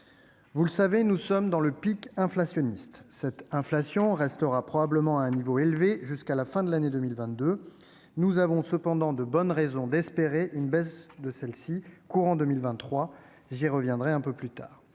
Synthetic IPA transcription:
vuləsavenusɔmd̪ɑ̃ləpikɛ̃flasjɔnist̪sɛt̪ɛ̃flasjɔ̃ʁɛst̪əʁapχɔbabləmɑ̃aɛ̃nivoelveʒyskalafɛ̃d̪əlaned̪ømilvɛ̃t̪̚d̪ø | nuzavɔ̃səpɑ̃d̪ɑ̃d̪əbɔnʁɛzɔ̃d̪ɛspeʁeʔynbɛsd̪əsɛlsikuʁɑ̃d̪əmilvɛ̃χwa | ʒiʁəvjɛ̃d̪ʁɛɛ̃pøplyt̪a̰ːʁ

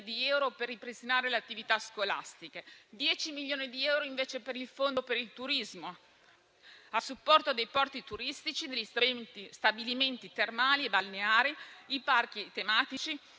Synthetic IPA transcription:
d̪iɛwɾoperːipɾest̪inaːɾeleat̪ːivit̪askolast̪iked̪jɛːt͡ʃimilʎːoːnid̪iɛwɾoiɱveːt͡ʃepeɾilfond̪opeɾilt̪uɾizmo | asːupːɔrt̪od̪ejpɔrt̪it̪uɾist̪it͡ʃid̪eʎːisist̪abiliment̪it̪ermaːliebalneaːɾiipark̟it̪emaːt̪it͡ʃi

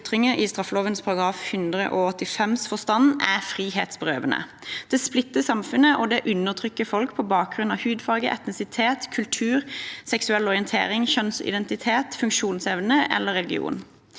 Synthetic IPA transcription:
t̪ʁɪŋəʔɪst̪ʁɑfːəloːʋənspʰɑɾʁɑɡʁɑːfhʉnd̪ʁə̰ʔoɔt̪ːɪfɛmsfɔst̪ɑnæfʁiːheːt̪sbʁøːʋənə̰ | d̪̥ɛːsplɪt̪ːəsɑmfʉnəʔɔd̪ɛʔʉnːəʁt̪ʰʁʏkːəfɔlkpʰɔbɑːk̚ɡʁʉnɑhʉːd̪fɑːɡə̰ʔɛ̰t̪nɪsɪt̪ʰeːt̪kʰʉlt̪ʰʉːʁsɛksʉɛlɔʁɪənt̪ʰḛːʁɪŋçœnsɪ̰d̪ɛnt̪ɪt̪ʰeːt̪fʉŋkʃuːnsɛʋnəʔɛ̰lːəʁɛlɪɡɪ̰ṵːn

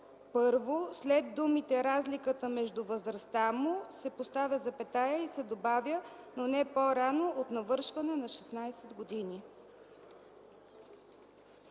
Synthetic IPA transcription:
pɤɾvoslɛd̪̚d̪umit̪ɛɾazlikət̪əmɛʒd̪ʊvəzɾɐst̪amʊsɛpost̪avʲjəzɐpɛt̪ajəisɛd̪obavʲjənonɛpoɾanoʔot̪nɐvɤɾʃvɐnɛnɐʃɛsnajsɛd̪ɡod̪ini

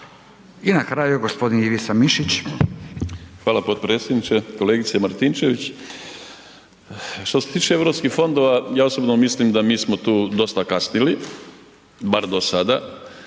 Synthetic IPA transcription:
inakɾajuɡospo̞d̪iniʋisamiʃit͡ɕ | xʋaːlapo̞t̪̚pɾe̞ːt̪sʲjed̪nit͡ʃeko̞leɡit̪semaɾt̪int͡ʃe̞ʋit͡ɕ | ʃt̪o̞set̪iːt͡ʃeeʋɾo̞pskixfo̞nd̪o̞ʋajaːosobnomislimd̪amiːsmo̞t̪uːd̪o̞st̪akasnili | baɾd̪o̞sad̪a

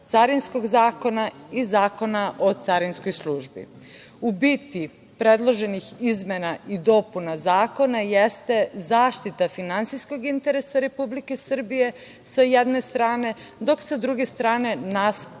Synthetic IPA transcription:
t̪saɾinsko̞ɡzaːko̞naizaːko̞naʔo̞t̪saɾinsko̞jslˠuːʒbḭ | ubit̪i | pɾe̞d̪lˠo̞ʒe̞nixizmenaid̪o̞punazaːko̞najest̪e̞zaːʃt̪it̪afinant̪sijskoɡint̪e̞ɾesaɾe̞publike̞sr̩bije̞ | sajed̪ne̞st̪ɾaːne̞ | d̪o̞ksad̪ɾuɡe̞st̪ɾaːne̞nas

